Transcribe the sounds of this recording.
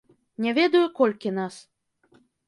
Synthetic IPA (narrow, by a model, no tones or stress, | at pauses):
nʲɛvʲed̪ujukolʲkʲinas